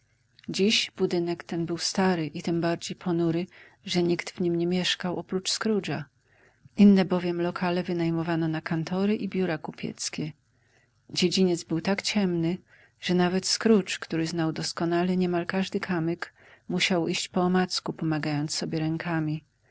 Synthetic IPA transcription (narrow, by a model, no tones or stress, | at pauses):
d͡ʑiɕb̥ud̪ɘnɛkt̪ɛnbɘwst̪aɾɘʔit̪ɘmbaɾd͡ʑejpʰɔnuɾɘ | ʐɛɲikt̪vɲimɲɛmʲjɛʂkawʔɔpɾut͡ʂskɾud͡ʐa | ʔinːɛbɔvʲjɛmlɔkʰalɛvɘnajmɔvanɔnakant̪ʰɔɾɘʔibʲjuɾakupʲjɛ̰t̪skʲɛ | d͡ʑed͡ʑiɲɛd̪zbɘwt̪akt͡ɕɛmnɘ | ʐ̥ɛnavɛt̪skɾut͡ʂkt̪uɾɘznawd̪ɔskɔnalɛɲɛmalkaʐd̪ɘkʰamɘk | muɕawʔiɕt͡ɕpɔːmat̪skupɔmaɡajɔnt̪ssɔbʲjɛɾɛŋkʰamʲi